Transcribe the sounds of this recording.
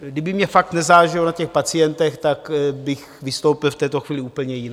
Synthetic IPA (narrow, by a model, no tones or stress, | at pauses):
ɡdɪbɪmɲɛfakt̪nɛzaːʒɪlonacɛxpat͡sɪjɛnt̪ɛxt̪akbɪx | vɪst̪owpɪlft̪ɛːt̪o̞xviːlɪuːpl̩ɲɛjɪna